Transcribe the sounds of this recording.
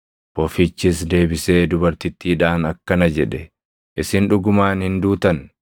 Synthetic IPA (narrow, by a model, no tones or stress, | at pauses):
bɔfɪt͡ʃːɪs̬d̪e̞ːbɪse̞ːd̪ʊbɐɾt̪ɪt̪ːiːᶑaːnɐkːɐnɐd͡ʒɛᶑɛ | ʔɪsɪnᶑʊɡʊmaːnhɪnd̪uːt̪ɐn